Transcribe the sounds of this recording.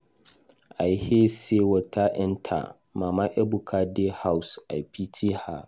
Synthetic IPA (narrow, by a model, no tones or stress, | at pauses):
ʔajhesewɐtʰaʔɛntʰa̰ | mamaʔɛbukʰadehawsʔa̰pitʰiha